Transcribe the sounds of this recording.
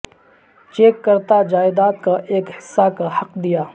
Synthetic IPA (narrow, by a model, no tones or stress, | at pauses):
t͡ʃeːkːɐɾt̪ad͡ʒaːɪd̪aːt̪̚kaʔeːkhɪsːakahɐqd̪ijaː